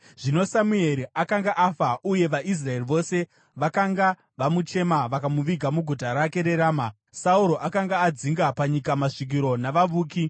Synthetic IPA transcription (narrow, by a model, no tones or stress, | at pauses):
ʐ̥ino̞samue̞ɾiʔakaŋɡaʔafauje̞ʋaʔis̬rae̞riʋo̞se̞ | ʋakaŋɡa | ʋamut͡ʃe̞maʋakamuʋiɡʱamuɡʱutaɾake̞ɾe̞ɾaːma | sauɾo̞ʔakaŋɡaːd͡ziŋɡapaɲikamaʂik̬iɾo̞naʋaʋuːki